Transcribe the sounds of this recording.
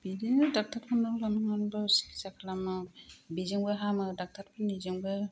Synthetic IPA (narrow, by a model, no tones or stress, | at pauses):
bidiŋɯdak̚taɾpʰɔnɔŋlanɯŋanbɯsi̥kʰi̥sakʰlamɯbizɯŋbɯɦamɯdak̚tʰaɾpʰɯnizɯŋbɯ